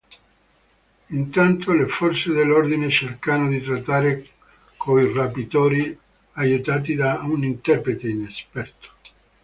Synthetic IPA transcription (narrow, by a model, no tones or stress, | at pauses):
int̪ant̪olefɔrt̪sed̪elːord̪inet͡ʃerkanod̪it̪ɾat̪ːaːɾe | kʰoirapit̪oːɾi | ajut̪aːt̪̬id̪aunint̪ɛpɾet̪einespɛrt̪o̥